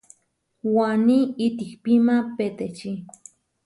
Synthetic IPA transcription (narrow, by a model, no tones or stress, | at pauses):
waniit̪ikpimapet̪et͡ʃi